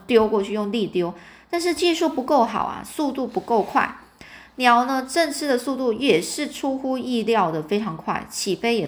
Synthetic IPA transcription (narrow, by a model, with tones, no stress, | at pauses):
t̪jo˥ʊkwɔ˥˧t͡ɕʰy˥˧jʊ˥˧ŋli˥˩t̪jo˥ʊt̪a˥˧nʂɻ̩˥˧t͡ɕi˥˧ʂu˥˩pu˧˥ko˥˩ʊxɑ̰˨˩ʊɐ̰˨˩su˥˧t̪u˥˩pu˧˥ko˥˧ʊkʰwa̰˥˩ɪ | njɑ˧˥ʊnə˧ʈ͡ʂə˥˧nʈ͡ʂʰɻ̩˥˩d̪ə˨su˥˧t̪u˥˩jɛ˨˩ʂɻ̩˥˩ʈ͡ʂʰu˥xu˥i˥˧ljɑ˥˩ʊd̪ə˩fe˥ɪʈ͡ʂʰɑ˧˥ŋkʰwa̰˥˩ɪt͡ɕʰi˨˩fe˥ɪjɛ˨˩